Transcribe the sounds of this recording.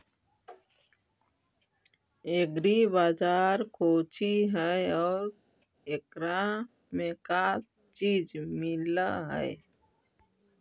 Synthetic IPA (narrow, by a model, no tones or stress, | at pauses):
eɡɾibaːd͡ʒaːɾkʰoːt͡ʃiɦɛɔːɾ | ekɾa | mẽka | t͡ʃiːd͡ʒmɪlaɦɛ̰e